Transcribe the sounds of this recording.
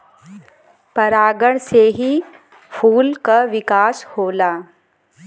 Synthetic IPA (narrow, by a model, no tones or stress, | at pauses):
pɐɾaːɡəɽ̃seɦi | fʰuːlkaʋɪkaːshoːlaː